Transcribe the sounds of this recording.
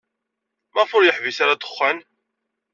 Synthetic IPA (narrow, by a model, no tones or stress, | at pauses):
mæʁfʊɾjəħvisaɾat̪ə̥χːæn